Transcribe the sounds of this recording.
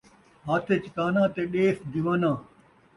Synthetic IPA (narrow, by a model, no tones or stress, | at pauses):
ɦaːt̪ʰet͡ɕkaːnãːt̪eːɗeːsd̪iʋãːnãː